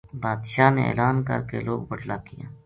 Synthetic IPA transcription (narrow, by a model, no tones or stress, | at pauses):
baːd̪ʃaːneḛːlaːnkə̰ɾkeloːɡbəɖlaːkija̰ː